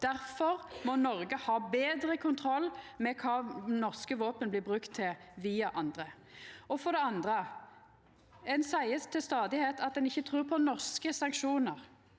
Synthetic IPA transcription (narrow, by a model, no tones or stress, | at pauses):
d̪̥æɾfɔɾmɔnɔɾɡəhɑːbeːd̪ɾəkʰʊnt̪ʰɾɔlːmɛkʰɑːnɔʁskəʋoːpənblɪːbʁʉkt̪ʰːɪlʋiːɑʔɑnd̪ɾə | ɔfɔd̪ɛɑnd̪ʁə | ɛnsæɪəst̪ʰɪlst̪ɑːd̪ɪheːt̪ʰɑt̪̚d̪ɛnɪçːət̪ʰɾʉːpʰɔnɔʁskəsɑŋkʃuːnəʁ